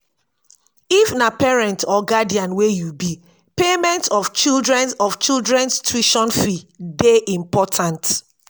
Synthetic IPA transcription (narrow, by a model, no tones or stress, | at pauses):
ifnapɛɹɛ̃ntɔɡadiãnwejubi | pemɛ̃ntɔft͡ʃildɹɛ̃nɔft͡ʃildɹɛ̃nstʰɹiʃɔ̃nfideʔĩmpɔtʰãnt